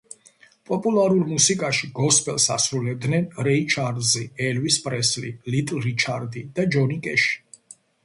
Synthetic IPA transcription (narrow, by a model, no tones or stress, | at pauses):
pʼɔpʼulˠaɾuɾmusikʼaʃiɡɔspʼɛlˠsa̰sɾulɛb̚d̪nɛnɾɛit͡ʃʰaɾd̪ziɛlvispʼɾɛslḭlit̪ʼɾit͡ʃʰaɾd̪id̪̥ad͡ʒɔnikʼɛʃi̥